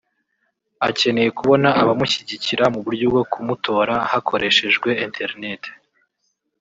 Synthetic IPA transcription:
ace̞ne̞je̞kuβo̞naʔaβamuçiɟiciɾamuβuɾɟubɡo̞kʰumutʰo̞ːɾahakʰo̞ɾʔe̞ʃe̞ʒɡwe̞entʰe̞ɾine̞tʰe̥

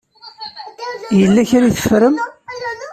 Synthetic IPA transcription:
jəlːæçɾiθə̥fːɾəm

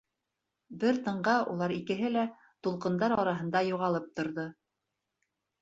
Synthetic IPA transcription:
bɘɾt̪ɤ̆ɴɢɑulˠɑɾikɘ̆ɦɘlæ | t̪ulˠqɤ̆nd̪ɑɾɑɾɑɦɤ̆nd̪ɑjuʁɑlˠɤp̚t̪ŏɾðo

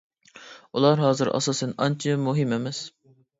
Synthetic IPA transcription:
ulˠɑɾɦɑːzɨɾʔɑ̰sɑsɨnɑnt͡ʃʰimuɦɨmemɛs

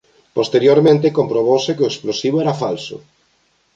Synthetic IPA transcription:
post̪eɾjoɾmẽnt̪ɪkompɾoβowsɪkɪʊesplosiβoɛɾafalsʊ̰

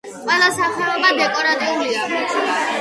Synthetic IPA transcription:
qʼwɛlˠasaχɛɔbad̪ɛkʼɔɾat̪ʼɛulia

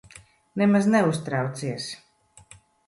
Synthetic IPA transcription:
nɛmaznɛust̪ɾɑwt̪siɛs

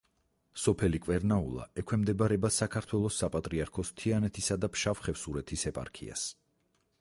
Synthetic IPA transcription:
sɔpʰɛlikʼwɛɾnaṵlˠa̰ɛkʰwɛmd̪ɛbaɾɛbasakʰaɾt̪ʰwɛlˠɔsːapʼat̪ʼɾiaɾkʰɔst̪ʰianɛt̪ʰisad̪apʰʃafχɛfsuɾɛt̪ʰisɛpʼa̰ɾkʰḭa̰s

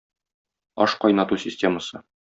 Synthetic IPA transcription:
ɒ̰ʃqɒjnɑt̪usʲɪsʲtʲe̞məsɤ

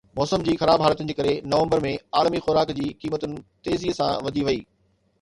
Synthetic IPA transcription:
mɔːsəmd͡ʑiːxɐɾaːbɦaːlət̪ʊnɪ̆d͡ʑeːkɐɾenɐʋə̃mbəɾmẽaːlmixʊɾaːkd͡ʑiːkiːmət̪ʊnɪ̆t̪eːziɦsã̰ʋɐd̪ʱiʋɐiː

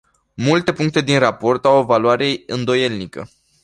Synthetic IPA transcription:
mult̪e̞puŋk̚t̪e̞d̪inrapo̞rt̪awovaluaɾe̞ɨnd̪o̞je̞lnikə̰

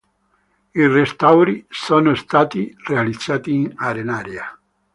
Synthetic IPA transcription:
irest̪awɾisoːnost̪aːt̪irealid̪z̥ːaːt̪iːnaɾenaːɾja

